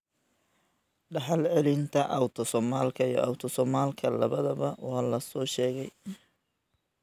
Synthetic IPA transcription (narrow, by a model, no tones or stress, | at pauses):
ɖɑħɑlʕɛlɪnt̪ʰɐʔɐwt̪ʰɔsɔmaːlkʰɐijɔ̰ʔɑwt̪ʰɔsɔːmaːlkʰɐlɐβɐðɐβɐwɑːlɐsɔːʃɛːɣɛj